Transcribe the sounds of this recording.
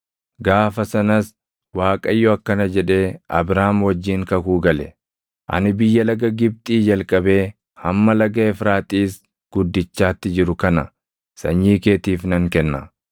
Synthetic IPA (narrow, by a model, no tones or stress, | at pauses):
ɡaːfɐsɐnɐs | waːkʼɐjːɔɐkːɐnɐd͡ʒɛᶑe̞ːɐ̰bɾaːmwɐd͡ʒːiːŋkɐkuːɡɐlɛ | ʔɐ̰nɪbɪjːɐlɐɡɐɡɪb̚t̪ʼiːd͡ʒɐlkʼɐbe̞ː | hɐmːɐlɐɡɐɛfɾaːt̪ʼiːs | ɡ̥ʊd̪ːɪt͡ʃːaːt̪ːɪd͡ʒɪɾʊkɐnɐ | sɐ̰ɲːiːke̞ːt̪iːfnɐŋkɛnːɐ̰